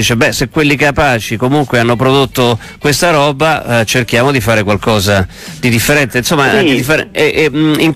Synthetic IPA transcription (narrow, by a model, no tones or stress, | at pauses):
iːt͡ʃebɛsekwelːikapaːt͡ʃikomuŋkweanːopɾod̪ot̪ːo | kwest̪aɾɔːbat͡ʃerkjaːmod̪ifaːɾekwalkɔːza | d̪id̪ifːeɾɛnt̪einsomːad̪id̪ifeɾɛɛʔɛiŋ